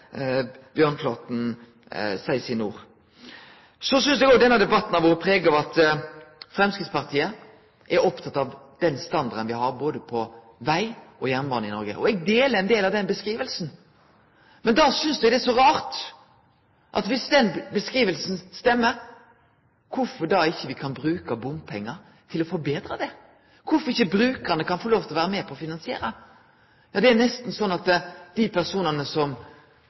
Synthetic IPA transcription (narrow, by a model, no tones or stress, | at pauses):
b̥jøːʁnfʰlɑːt̪n̩ | sæɪsɪnuːʁ | sɔsʏnsd̪ɛɡɔd̪ɛnːɑd̪ɛbɑt̪ːn̩ɑʋɔʁəpʰʁeːɡɔɑt̪ | fɾɛmskɪt̪spɑʁt̪ʰiːə | ʔɛɾɔpt̪ʰɑt̪ːɑʋd̪̥ɛnst̪ɑnd̪ɑɾd̪ənʋɪhɑɾboːd̪əpʰɔ | ʋæɪʔɔjæmʋɑnɪnɔɾɡə̰ʔɔɛɡ̚d̪eːləɛnd̪eːlɑʋd̪ɛnbəskʁiːʋəlsn̩ | mɛnd̪ɑːsʏnsd̪ɛɡd̪ɛsɔɾɑːɾt̪ | ʔɑ̰t̪ʋɪsd̪ɛnbəskʁiːʋəlsn̩st̪ɛmːəɾ | kʰʊfɔɾd̪ɑːɪçːəʋɪkʰɑnbɾʉːkɑbʊmpʰɛŋːɑɾ | t̪ʰɪlɔfɔɾbeːd̪ɾɑd̪ɛ | kʰʊfɔɾɪçːəbɾʉːkənəkʰɑnfɔɾloːft̪ʰɪlʋæːɾəmɛːpʰɔːfɪnɑnsɪḛːɾə | jɑːd̪ɛæɾnɛst̪n̩sɔnːɑt̪d̪̥ipʰæʁsuːnɑnəsɔm